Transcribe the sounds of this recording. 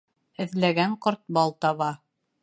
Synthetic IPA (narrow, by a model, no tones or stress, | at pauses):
ɘ̆ðlæɡæɴqoɾt̪̚bɑlˠt̪ɑβɑ